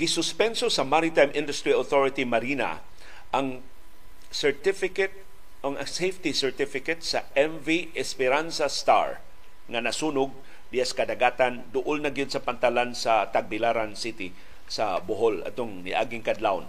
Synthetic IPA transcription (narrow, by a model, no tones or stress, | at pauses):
ɡɪsʊspɛnsosɐmaɾɪt̪ajmʔɪ̃nd̪ʊst̪ɹioθoɹɪt̪imaɾina̰ | ʔaŋ | sɛɹt̪ɪfɪkɛt̪̚ | oŋaŋsejft̪isɛɹt̪ɪfɪkɛt̪sɐʔɛɱviʔɛspɛɾansast̪a̰ɹ | ŋanasuːnʊɡ̚ | d̪ɪjaskɐd̪aɡaːt̪and̪ʊʔʊlnaɡɪd̪sɐpant̪alansat̪aɡ̚bɪlaɾansit̪ɪ | sabʊɦolɐ̰t̪oŋnɪ̰ʔa̰ɡɪŋkad̪lawn